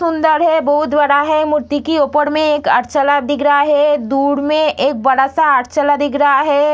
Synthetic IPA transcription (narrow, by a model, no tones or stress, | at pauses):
sʊ̃nd̪əɾɦɛbɐɦʊt̪bəɽaɦɛmʊɾt̪ikiopəɽmẽeːkə̰ɾt͡ʃəlad̪ɪkɾɦaɦɛd̪uːɽmẽʔeːk̚bɐɽasaɐɾt͡ʃəlad̪ɪkɾəɦaɦɛː